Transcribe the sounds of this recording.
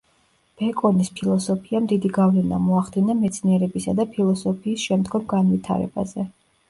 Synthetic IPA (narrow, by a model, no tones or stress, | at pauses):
b̥ɛkʼɔnispʰilˠɔsɔpʰiamd̪id̪iɡavlɛna̰mɔaχd̪inamɛt̪sʰniɛɾɛbisad̪apʰilˠɔsɔpʰiːsʃɛmd̪ɡɔmɡanvit̪ʰa̰ɾɛ̰ba̰zɛ